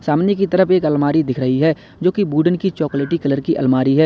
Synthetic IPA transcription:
saːmnekit̪ɐɾəpeːkɐlmaːɾid̪ɪkʰɾɐɦiɦɛː | d͡ʒoːkibuːɖənkit͡ʃɔːkleːʈikɐləɾkiʔɐ̰lmaːɾiɦɛː

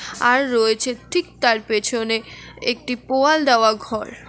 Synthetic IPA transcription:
aɾːoet͡ɕʰeʈʰik̚t̪aɾpet͡ɕʰoneek̚ʈipoald̪ɛoaɡʱɔɾ

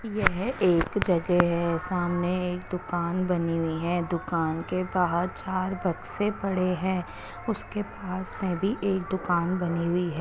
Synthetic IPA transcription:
jɛɦeːkd͡ʒɐɡɛɦɛsaːmneeːk̚d̪ʊkaːnbɐniɦʊiɦɛ̃ːd̪ʊkaːnkebaːɦəɾt͡ʃaːɾbɐɡsepɐɽeɦɛ̃ː | ʊskepaːsmẽbʱiʔeːk̚d̪ʊkaːnbɐniɦʊiɦɛː

